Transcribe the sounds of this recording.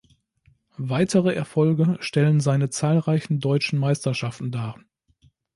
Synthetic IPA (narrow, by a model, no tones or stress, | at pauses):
vaɪtʰəʁəʔɛɐfɔlɡəʃtɛlənzaɪnət͡saːlʁaɪçn̩dɔʏt͡ʃn̩maɪstɐʃaftn̩daː